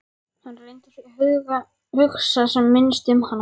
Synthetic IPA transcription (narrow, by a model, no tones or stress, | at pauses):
hanrejnt̪ɪ̥fɛɾahʏðɣa | hʏxsasɛmːɪnst̪ʏmhanː